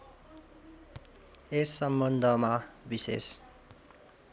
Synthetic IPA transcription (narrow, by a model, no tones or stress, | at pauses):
esːʌmbʌnd̪ʱʌmabisḛs